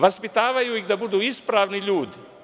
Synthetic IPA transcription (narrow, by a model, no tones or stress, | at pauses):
ʋaspit̪aːʋajuiɣd̪abud̪uːispɾaːʋniʎuːd̪i